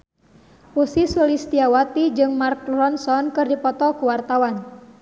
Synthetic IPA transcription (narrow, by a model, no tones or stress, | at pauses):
usisulist̪iawat̪id͡ʒɨŋmark̚rɔnsɔnkɨrdipɔt̪ɔkuwart̪awan